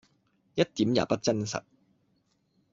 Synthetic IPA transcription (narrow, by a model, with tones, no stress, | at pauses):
jɐ˥t̚t̪iː˨˥mja̰ː˨˩pɐ˥t̚t͡sɐ˥nsɐ̰˨˩t̚